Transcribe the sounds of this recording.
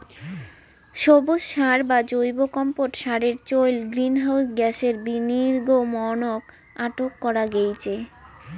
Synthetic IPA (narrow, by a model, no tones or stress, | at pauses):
ʃobod͡ʑʃaɾbad͡ʑojbokɔmpoʈʃaɾeɾt͡ɕojlɡɾinɦawsɡɛʃeɾbiniɾɡomɔnok | aʈokːɔɾaɡejt͡ɕʰe